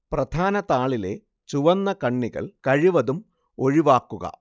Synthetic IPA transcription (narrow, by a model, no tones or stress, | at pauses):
prɐd̪ʱaːnɐt̪aːɭile̞ | t͡ɕuʋɐnːɐkɐɳːiɣɐ̰ɭkɐɻiʋɐðum | oɻiʋaːkːuɣɐ̰